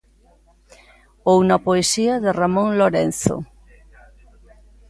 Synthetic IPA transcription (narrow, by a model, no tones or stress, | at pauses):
ownapoesiaðeramõŋloɾen̟θo̰